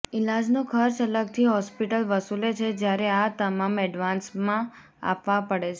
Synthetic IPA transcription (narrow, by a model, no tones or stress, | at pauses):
ɪlad͡ʒnũkʰəɾt͡ʃələɡ̚t̪ʰiɦɔspiʈəlʋəsulet͡ʃʰed͡ʒjaɾeat̪əmamɛɖʋansmã | a̰pʋãpəɽet͡ʃʰe